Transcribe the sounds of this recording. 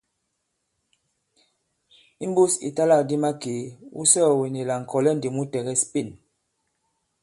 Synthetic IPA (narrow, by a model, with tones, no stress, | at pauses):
i˦m˦bu˦sḭ˨ta˦la˦˨di˦ma˦ke˨˦ṵ˦sɔ˦˨we˨ni˨la˨ŋ̩˨kʰɔ˨lɛ˦n̩˨di˨mu˦tɛ˨ɣɛ˦spi˦˨n